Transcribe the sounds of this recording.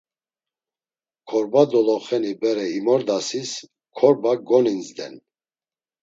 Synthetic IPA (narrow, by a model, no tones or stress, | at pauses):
kʰɔɾbad̪ɔlɔχɛnibɛɾɛimɔɾd̪asis | kʰɔɾbaɡɔninzd̪ɛ̰n